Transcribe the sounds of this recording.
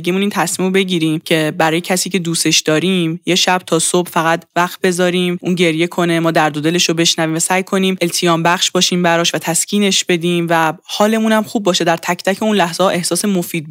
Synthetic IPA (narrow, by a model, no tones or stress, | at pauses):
ɡemuniːnt̪ʰæsmiːmobe̞ɟiːɾiːmcʰe̞bæɾɒːje̞cʰæsiːcʰe̞d̪uːse̞ʃd̪ɒːɾiːmjeʃæb̥̚t̪ʰɒːso̞b̥fæɣæd̪væxt̪̚be̞zɒːɾiːmʔuːnɟe̞ɾje̞kʰo̞ne̞mɒːd̪æɾd̪od̪e̞leʃobe̞ʃnæviːmvæsæːjkʰo̞niːmelt̪ʰijɒːmbæχʃbɒːʃiːmbæɾɒːʃvæt̪ʰæscʰiːne̞ʃbe̞d̪iːmvæhɒːle̞munæmχubːɒːʃe̞d̪æɾt̪ʰæct̪ʰæcʰeunlæhz̥eɒːʔe̞hsɒːse̞mofiːd̪̚b